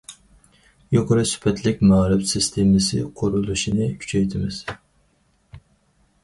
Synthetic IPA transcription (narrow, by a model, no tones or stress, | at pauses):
joqəɾɨsy̥pʰɛt̪ʰlɪkʲmɑːɾɪbsɪst̪ʰemɪsɪqʰoɾulˠuʃinɨkʲʰy̥t͡ʃʰɛjt̪ʰɪmɪz̥